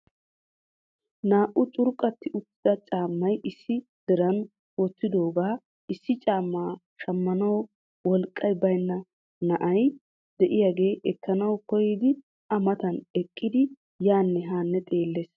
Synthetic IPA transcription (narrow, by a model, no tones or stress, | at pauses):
naːʔʊt͡ʃʼʊɾkʼːɐt̪ːɪʔʊt̪ːɪd̪ɐt͡ʃʼaːmːɐjɪsːɪ | d̪̥ɛɾɐn | wɔt̪ːɪd̪o̞ːɡaː | ɪsːɪt͡ʃʼaːmːaː | ʃɐmːɐnɐw | wɔlkʼːɐjbɐjnːɐ | nɐʔɐj | d̪ɛʔɪjaːɡe̞ːʔɛkːɐnɐwkɔjɪd̪ɪ | ɐmɐt̪ɐnɛkʼːɪd̪ɪ | jaːnːɛɦaːnːɛt̪ʼe̞ːlːeːs